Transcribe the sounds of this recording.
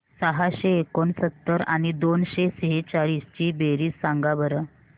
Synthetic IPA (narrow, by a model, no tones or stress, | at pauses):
səɦaɕeːkonsət̪ːəɾa̰ñid̪onɕeseɦet͡ɕaɭiːst͡ɕiːbeɾiːsːaŋɡabəɾə